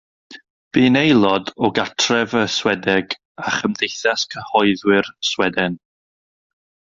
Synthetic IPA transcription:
b̥iːnejlˠɔdɔɡatʰrɛvəswɛdɛɡ | aχəmdejθaskʰəhɔɨðwɪrswɛdɛn

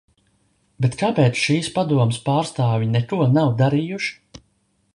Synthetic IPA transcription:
bet̪kaːpɛːt̪sʃiːspad̪uɔmspaːɾst̪aːvʲinɛkuɔnawd̪aɾijuʃ

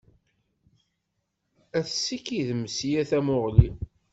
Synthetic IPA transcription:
æθsːikiðməsijæθæmʊʁli

